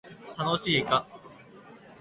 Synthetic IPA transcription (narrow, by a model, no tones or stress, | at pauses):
t̪ano̞ɕiːka